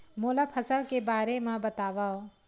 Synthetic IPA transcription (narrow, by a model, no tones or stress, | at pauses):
moːlapʰəsəlkebaːɾemãbɐt̪aːʋaːo